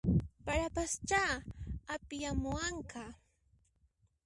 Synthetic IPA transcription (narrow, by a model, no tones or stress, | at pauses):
paɾapast͡ʃaːapɪjamʊaɴka